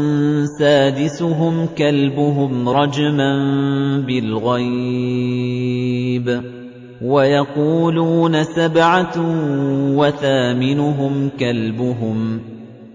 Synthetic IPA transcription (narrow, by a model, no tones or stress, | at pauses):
nsaːd̪ɪsʊɦʊmkalbʊɦʊmɾˤɑd͡ʒmanbɪlɣaj | b | wajɑquːluːnasabʕa | waθaːmɪnʊɦʊmkalbʊɦʊm